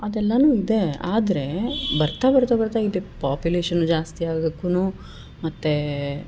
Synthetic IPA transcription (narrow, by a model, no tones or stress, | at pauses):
ɐd̪ɛlːɐnuːid̪e̞aːd̪ɐɾe̞bɐɾt̪aːbɐɾt̪aːbɐɾt̪aid̪epaːpjuleːʂɐnːud͡ʒaːst̪iaːɡekːunu | mɐt̪ːe